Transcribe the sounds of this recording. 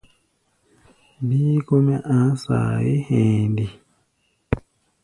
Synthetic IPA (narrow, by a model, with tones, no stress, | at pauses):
bi˦ko˦me˦ʔã˨˦sa̰˨ji˦hẽː˨ndi˨